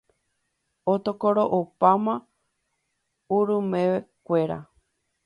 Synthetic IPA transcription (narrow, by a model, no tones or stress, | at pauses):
ot̪okoɾoʔopamã | uɾumẽʋekʷe̞ɾa̰